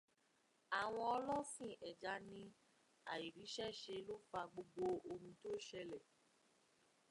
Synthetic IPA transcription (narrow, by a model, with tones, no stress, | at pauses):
a˨w̃ɔ̃˧ɔ˧lɔ˦sĩ˦˨ʔɛ˨d͡ʒa˧nĩ˧ | a̰˨i˨ɾi˨˦ʃɛ˦ʃe˧lo˦fa˧ɡ͡bo˧ɡ͡bo˧o˧mũ˧to˦ʃɛ˧lɛ˨